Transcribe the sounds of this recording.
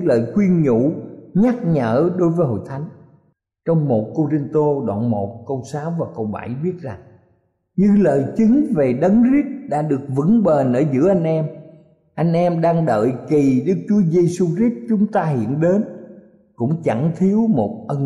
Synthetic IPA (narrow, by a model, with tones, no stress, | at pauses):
ɨlə̰ː˨jkwi˧ənɲṵ˧˩ɲa˦˥k̚ɲəː˧˩ɗo˨˦jvəː˨˦jhɦo̰˧˨jt̪ʰa˨˦jŋ̟ | t͡ɕɔ˧wŋ͡mmo˨˩t̚ko˧zi˧nt̪o˧ɗwa̰ː˧˨nmo˨˩t̚kə˧wsaː˨˦wvaː˨˩kə˧wɓa̰˧˩jɓi˦˥ət̚za˨˩ŋ | ɲɨ˧ləː˨jt͡ɕɨ˨˦ŋve˨˩ɗə˨˦nzi˦˥t̚ɗa̰ː˧˥ɗɨ˨˩ək̚vɨ̰˧˥ŋɓe˨˩nʔəː˧˩zɨ̰˧˥əʔa˧jŋ̟ʔɛ˧m | ʔa˧jŋ̟ʔɛ˧mɗaː˧ŋɗə̰ː˧˨jki˨˩ɗɨ˦˥k̚t͡ɕu˨˦əze˧su˧zi˦˥t̚t͡ɕʊ˨˦ŋ͡mt̪aː˧hḭ˧˨ənɗe˨˦n | kʊ̰˧˥ŋ͡mt͡ɕa˧˩ŋt̪ʰi˨˦əwmo˨˩t̚ʔə˧n